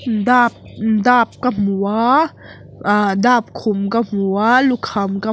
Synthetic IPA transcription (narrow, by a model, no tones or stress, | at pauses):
daːp̚daːp̚kamu | ʔadaːp̚kʰumkamualukʰamka